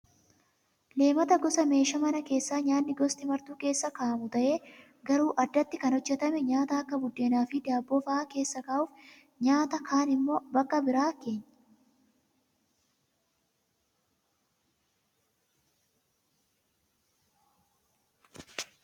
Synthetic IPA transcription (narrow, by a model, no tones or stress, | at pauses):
le̞ːmɐt̪ɐɡɔsɐme̞ːʃɐmɐnɐke̞ːsːaːɲaːnːɪɡɔst̪ɪmɐɾt̪uːke̞ːsːɐkaːʔmʊt̪ɐʔe̞ː | ɡɐɾuːʔɐd̪ːɐt̪ːɪkɐnhɔd͡ʒːɛt̪ɐmɛɲaːt̪ɐɐkːɐbʊd̪ːeːnaːfɪd̪aːbːɔfaːke̞ːsːɐkaːʔʊːf | ɲaːt̪ɐkʰaːnɪmːo̞ːbɐkːɐbɪɾaːke̞ːɲː